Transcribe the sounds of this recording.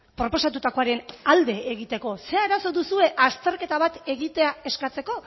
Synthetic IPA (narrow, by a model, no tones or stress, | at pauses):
pɾo̞po̞sat̪ut̪ako̞aɾe̞nald̪e̞ːɣit̪e̞ko̞se̞aeɾaso̞ðusue̞ʔast̪e̞ɾke̞t̪aβat̪e̞ɣit̪e̞ae̞skat͡se̞ko̞